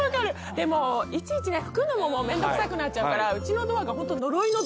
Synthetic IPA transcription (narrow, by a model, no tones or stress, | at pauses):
akaɾɯ̟ | d̪e̞mo̞it͡ɕiːt͡ɕineɸɯ̟̥kɯ̟mɯmomo̞mẽ̞nd̪okɨsakɯ̟nat̚t͡ɕaɯkaɾaɯ̟t͡ɕino̞d̪o̞βaɡaɦo̞nt̪ːono̞ɾoino